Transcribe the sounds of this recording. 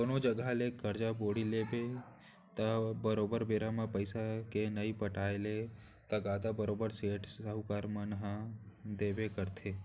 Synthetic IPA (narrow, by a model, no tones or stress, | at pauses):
d̪oːnod͡ʒəɡalekəɾd͡ʒaboːɽileːbe | t̪ɐbəɾoːbəɾbeːɾamãpəɪsakenəipəʈaːele | t̪ɐɡaːd̪abəɾoːbəɾseːʈəɦʊkaːɾmənɦãd̪eːbekəɾt̪ʰeː